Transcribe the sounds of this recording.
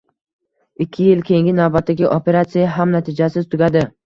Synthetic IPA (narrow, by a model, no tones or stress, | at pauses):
ɪkʲʰːɪjɪlkʲʰe̞ŋɡʲɪnavbat̪ːaɡʲɪʔope̞ɾat̪sijaɦamnat̪ʰɪd͡ʒasɪzt̪ʰʊɡʲad̪ɪ